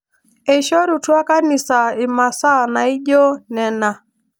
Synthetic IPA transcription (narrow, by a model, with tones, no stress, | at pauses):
e˨ʃɔ˦ɾu˨twa˦ka˦ni˨sa˨ɪ˨ma˨sa˦na˨ɪ˦d͡ʒo˦nɛ˦na˨